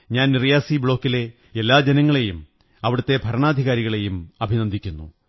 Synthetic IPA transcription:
ɲaːnnirijaːsibɭo̞ːkːile̞ | elːaːd͡ʑenɐŋːɐɭe̞jum | ɐʋiɽɐt̪ːe̞bʱɐɾɐɳaːd̪ʱiɣaːɾiɣɐɭe̞jumɐbʱinɐnd̪ʱikʲːunːṵ

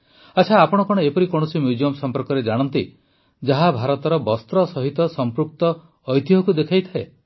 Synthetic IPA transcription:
at͡ʃʰaːpɔɽ̃ɔkɔɽ̃ɔepɔɾikɔɽɔsimjud͡ʒiɔmsɔmpɔɾkɔɾed͡ʒaɽ̃ɔnt̪i | d͡ʒaɦabʱaɾɔt̪ɔɾɔbɔst̪ɾɔsɔɦit̪ɔsɔmpɾuk̚t̪ɔː | jt̪iɦɔkud̪ekʰajt̪ʰae

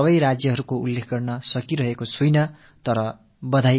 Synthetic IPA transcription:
ʌbʌjɾad͡zjʌɦʌɾukoṵlːekʰɡʌrnʌsʌkiɾʌɦekosujnʌ | t̪ʌɾʌ | bʌd̪ʱaj

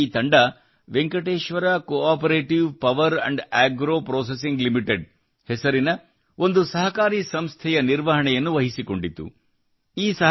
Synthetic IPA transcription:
iːt̪ɐɳɖɐ | ʋeŋkɐʈeːʃʋɐɾaːkoaːpɐɾeːʈiʋpɐʋɐɾɐ̰ɳɖæːɡɾoːpɾoːs̬es̬iŋɡlimiʈeɖ | hɛsɐɾinɐ | o̞nd̪usɐɦɐkaːɾiːsɐmst̪ʰɛjɐniɾʋɐɦɐɳɛjɐnːuʋɐɦisiko̞ɳɖit̪ːṵ | iːsɐ

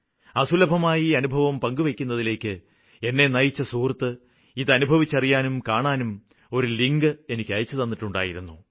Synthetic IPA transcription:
ɐsulɐbʱɐmaːjiɐnubʱɐʋɐmpɐŋɡuʋekʲːunːɐðile̞ːkʲːɨ | e̞nːe̞nɐjit͡ɕːɐsuːrt̪ːɨ | iðɨɐnubʱɐʋit͡ɕːɐrijaːnumkaːɳaːnum | o̞ɾuliŋɡɨe̞nikʲːɐjɐt͡ɕːɨt̪ɐnːiʈːuɳɖa̰ːjiɾunːu

